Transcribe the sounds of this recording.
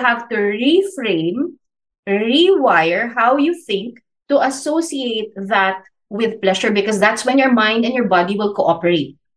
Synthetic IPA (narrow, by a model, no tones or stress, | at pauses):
ɦavt̪uɹifɹẽɪ̃m | ɹiwajɛɹɦawjuθɪ̃ŋk̚ | t̪ʊʔɐsosiejt̪̚ðat̪̚ | wɪðplɛʃɔɹbɪkɔsd̪at̪swɛ̃njɔɹmãj̃nd̪ɛ̃njɔɹbɑd̪iwɪlkoʔɔpɛɹet̪̚